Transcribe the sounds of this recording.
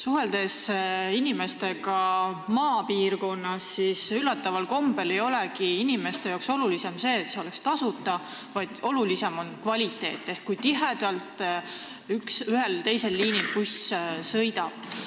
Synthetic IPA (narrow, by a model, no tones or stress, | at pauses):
suɦe̞ld̪̥e̞sinime̞st̪e̞ɡɑmɑːpiːrko̞nːɑsːisylːɑt̪ːˑɑvɑlko̞mbe̞le̞jo̞lekiinime̞st̪e̞jɑːkso̞lulise̞mse̞ːt̪se̞o̞lekst̪ɑsut̪ːˑɑ | vɑjd̪̥o̞lulise̞mo̞nkvɑlʲit̪ːˑe̞̰ːt̪ːˑe̞hkkujt̪iɦed̪̥ɑlt̪ˑ | yksyɦelt̪e̞jse̞lːiːnilpussɤjd̪ɑb̥̚